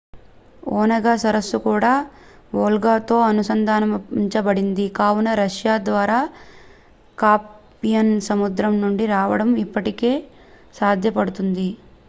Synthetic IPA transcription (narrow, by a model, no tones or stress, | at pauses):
oːnɐɡaːsɐɾɐsːukuːɽaː | ʋoːlɡaːt̪o̞ːɐnusɐnd̪ʱaːnɐmɲt͡ʃɐbɐɽind̪ikaːwunɐɾɐʂjaːd̪ʋaːɾaː | kaːpː | ijɐnsɐmud̪ɾɐmnuɳɖiɾaːʋɐɽɐmipːɐʈike̞ː | saːd̪ʱjɐpɐɽut̪und̪i